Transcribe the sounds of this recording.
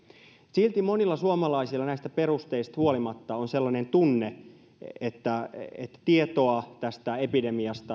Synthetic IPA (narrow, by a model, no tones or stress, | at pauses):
silt̪imonilːɑsuomɑlɑisilːɑnæist̪æpe̞rust̪eist̪huolimɑt̪ːɑonselːɑnent̪unːe | et̪ːæet̪ːæ̥t̪iet̪oɑt̪æst̪æepide̞miɑst̪ɑ